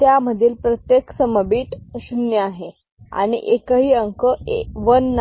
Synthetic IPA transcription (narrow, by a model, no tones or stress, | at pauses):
t̪jaməd̪ʱiːlpɾət̪jeksəməbiːʈsunjəaɦe | a̰ɽ̃ḭʔekəɦiːəŋkəeʋənː